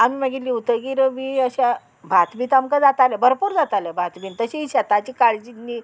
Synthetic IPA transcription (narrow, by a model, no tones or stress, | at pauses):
amiməɡiliːut̪əɡiɾəmiːəɕa | bʱat̪biːt̪amkad͡zat̪alabəɾpuːɾd͡zat̪alabʱat̪biːnt̪əɕiɕat̪at͡ɕiːkaɭd͡ʑinːiː